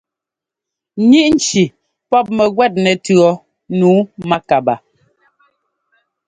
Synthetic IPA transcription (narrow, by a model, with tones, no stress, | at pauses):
ɲi˦ʔn̩˨t͡ʃi˨ | pɔ˦p̚mɛ˨ɣwɛ˦˨t̚nɛ˨tɰɔ˨˦ | nuː˨˦ma˦ka˨ba˨